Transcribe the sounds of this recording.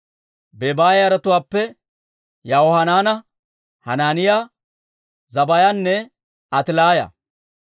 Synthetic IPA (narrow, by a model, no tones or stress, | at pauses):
bebaːjɐɾɐt̪ʊwaːpːɛ | jɐɔhɐnaːnɐ | hɐnaːnɪjaː | zɐbɐjanːɛ | ɐt̪ɪlaːjɐ̰